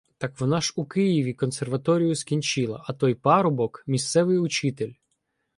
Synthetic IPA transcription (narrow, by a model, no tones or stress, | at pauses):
t̪ɑkʋɔnɑʒukɪjiʋʲikɔnserʋɐt̪ɔɾʲijʊskʲinʲt͡ʃɪlˠɐ̰ʔɐt̪ɔjpɑɾʊbɔkmʲist̪sɛʋɪjʊt͡ʃɪt̪elʲ